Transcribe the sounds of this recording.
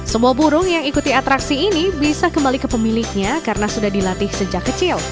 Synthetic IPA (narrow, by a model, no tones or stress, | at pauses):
səmuabuɾʊŋjaŋikut̪iat̪ɾaksiːnibisakəmbalikəpəmilɪk̚ɲakaɾənasudahdilat̪ɪhsəd͡ʒakːət͡ʃɪl